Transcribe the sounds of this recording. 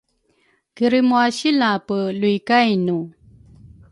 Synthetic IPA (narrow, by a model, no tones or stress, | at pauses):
kiɾimwaɕilapəlujkajnu